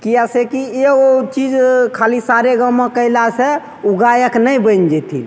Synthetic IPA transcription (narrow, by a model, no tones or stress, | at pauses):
kiasekieot͡ʃid͡ʒkʰalisaɾeɡəmːekəɪlasɛ | uɡajəknəjbənd͡ʒɛt̪ʰḭ